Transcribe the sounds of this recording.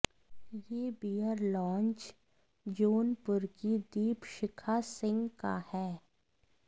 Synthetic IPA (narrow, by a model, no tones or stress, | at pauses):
jeːbiːəɾlɔ̃ːnt͡ʃ | d͡ʒoːnpʊɾkid̪iːpʃɪkʰasɪ̃ŋɡka̰hɛː